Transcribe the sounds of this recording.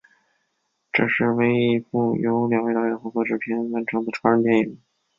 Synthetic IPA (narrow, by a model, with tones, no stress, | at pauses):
ʈ͡ʂɤ˥˧˩ʂɻ̩˥˩we˥ɪi˥˧fu˥˩jo˧˥ʊljɑ˨˩ŋwe˥˧t̪ɑ˥˩jɛ˧˥nxwɔ˧˥kɤ˥˩ʈ͡ʂɻ̩˥˩pʰjɛ˧˥nwa˧˥nʈ͡ʂʰɤ˧˥ŋd̪ə˧˩ʈ͡ʂʰwt̪jɛ˥˩njɛ˨˩